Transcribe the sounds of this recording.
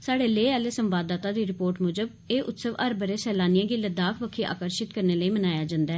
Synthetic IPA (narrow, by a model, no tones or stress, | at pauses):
saːɽeːleːɛleːsəmbaːd̪aːt̪aːd̪iːɾɪpoːɾʈmʊd͡ʒəb | eːʔʊt̪səʋəɾbəɾeːsɛːlaːnɪjãːɡɪləd̪aːkʰʋəkʰiːʔa̰ːkəɾʃɪt̪kəɾneːləiːmənaːjaːd͡ʒãːnd̪aɛːɛː